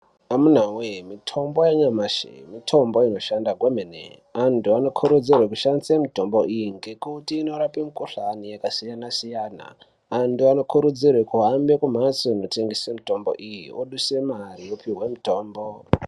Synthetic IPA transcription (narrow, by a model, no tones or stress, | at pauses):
amun̤awemitʰo̞mbo̞jaɲamaʃḛmitʰo̞mbo̞ino̞ʃandaɡwemenḛantuano̞kʰuɾud͡zirwek̬uʃanisemito̞mbo̞ʔijiŋɡe̞kutiːno̞ɾapimukuɬanijakasijanasijaːna̰ː | ntuano̞kʰuɾud͡zirwekuɦambe̞kum̤asoino̞te̞ŋɡesemito̞mbo̞̰ʔijioɗuse̞marijopiɦwe̞mito̞ːmbo̞